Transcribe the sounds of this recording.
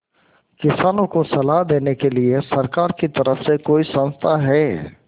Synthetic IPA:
kɪsaːnõkosɐlaɦd̪eːnekeliesɐɾkaːɾkit̪ɐɾəfsekoːisɐ̃nst̪ʰaɦɛː

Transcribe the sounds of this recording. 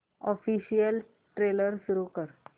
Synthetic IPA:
ɔfiɕijəl | ʈɾeləɾsuɾuːkəɾ

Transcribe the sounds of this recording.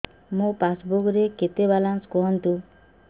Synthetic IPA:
mũpasbokɾeket̪ebalanskɔɦɔnt̪u

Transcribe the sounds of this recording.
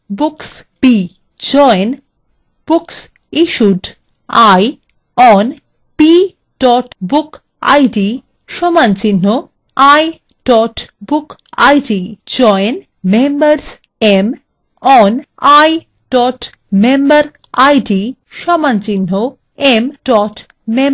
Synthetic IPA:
buks | pi | d͡ʑɔen | b̥uks | iʃuɖ | aj | ɔn | pi | ɖ̥ɔʈbuk | a̰jɖi | ʃɔmant͡ɕinːo | aj | ɖ̥ɔʈbuka̰jɖid͡ʑɔen | membəɾs | em | ɔn | aj | ɖ̥ɔʈ | membaɾ | ajɖi | ʃɔmant͡ɕinːo | emɖɔʈ | me

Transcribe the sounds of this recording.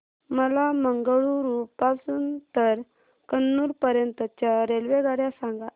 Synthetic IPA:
məlaməŋɡəɭuɾuppasuːnt̪əɾ | kənːuːɾpəɾjənt̪ət͡ɕjaɾelʋeɡaɽjasãŋɡa

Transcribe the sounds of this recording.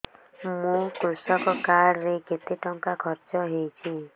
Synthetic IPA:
mũkɾusɔkɔkaɾːeket̪iʈɔŋkakʰɔɾt͡ʃɔɦejt͡ʃʰi

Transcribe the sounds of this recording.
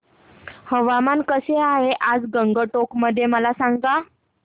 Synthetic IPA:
həʋamankəseaɦeʔad͡zɡəŋɡəʈokməd̪ʱːjeməlasaŋɡa

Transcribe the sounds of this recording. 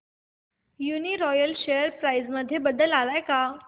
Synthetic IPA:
juniɾɔjəlɕejəɾpɾaizməd̪ʱːjebəd̪əlalajka

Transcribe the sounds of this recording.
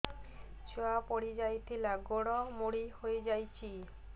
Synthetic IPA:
t͡ʃoapɔɽ̤id͡ʒajt̪ʰilaɡoɽɔmoɽihoed͡ʒajt͡ʃʰi

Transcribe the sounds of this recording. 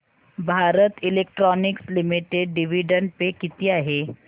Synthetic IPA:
bʱaːɾət̪ɪleːk̚ʈɾɔːnɪkslɪmiʈeɖɖiʋiɖə̃ɳɖ̚pekɪt̪ijaɦɛ

